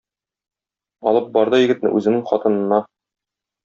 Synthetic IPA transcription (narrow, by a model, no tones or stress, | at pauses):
ɒ̰lˠɤp̚bɒɾd̪ɤjɘ̆ɡɘ̆t̪nɘ̰ʔʉzɘ̆nɘŋχɒt̪ɤ̆nɤ̆nːɑ